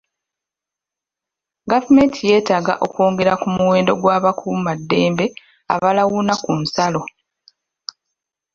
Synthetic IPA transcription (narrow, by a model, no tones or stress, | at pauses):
ɡavume̞ːntʰije̞ːtaːɡa̰ʔo̞kwo̞ːŋɡe̞ɾakumuwe̞ːndo̞ɡwaːβakʰumadːe̞ːmbe̞ | a̰βalawunakun̩salo̞